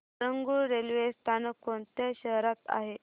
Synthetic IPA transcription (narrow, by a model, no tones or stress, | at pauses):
əŋɡuɾelʋest̪ʰanəkːont̪jaɕəɦɾat̪a̰ɦe